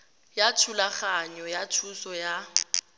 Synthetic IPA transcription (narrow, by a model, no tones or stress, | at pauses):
jatʰulaχaɲɔjatʰusɔja